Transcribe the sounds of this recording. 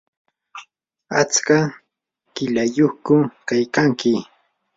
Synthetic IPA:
at͡ska | kɪʎajoχkʊkajkaŋkɪ

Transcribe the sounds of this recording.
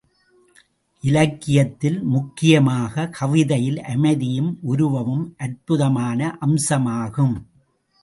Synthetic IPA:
ʔɪlɐkːɪjɐt̪ːɪlmʊkːɪjɐmaːɣɐkʰɐʋɪðɐjɪlʔɐmɐɪðɪjɯmʔʊɾʊʋɐʋɯmʔɐɾpɯðɐmaːnɐʔɐmsɐmaːɣɯm

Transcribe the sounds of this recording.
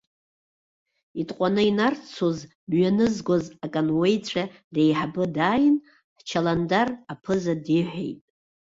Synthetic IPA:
itʼqʷʼanɨinart͡sʰoz | mɥanɨzɡʷozakʼanwe̞jt͡sʷʰadejħabɨdaːjɪn | ħt͡ʃʰalandarapʰɨzadiħʷḛjtʼ

